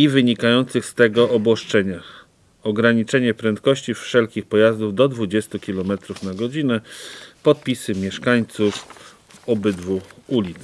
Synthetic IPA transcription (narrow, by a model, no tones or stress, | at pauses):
ivɘɲikajɔnt̪sɘxst̪ɛɡɔʔɔbwɔʂt͡ʂɛɲax | ɔɡɾaɲit͡ʂɛɲɛpɾɛnt̪̚kɔɕt͡ɕifʂɛlkʲixpɔjazd̪uvd̪ɔd̪vud͡ʑɛst̪ukʲilɔmɛt̪ɾufnaɡɔd͡ʑinɛpɔt̪̚pʲisɘmʲjɛʂkaɲt̪suf | ɔbɘd̪vuulʲit̪s